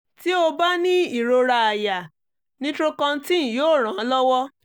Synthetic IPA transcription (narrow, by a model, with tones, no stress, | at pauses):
ti˦o˧ba˦nĩ˦i˦˨ɾo˧ɾa˧a˨ja˨ | nĩ˦tɾo˦kã˧n̩˦ti˦ñ̩˨joː˦˨ɾ̃ã˨˧˦lɔ˦wɔ˦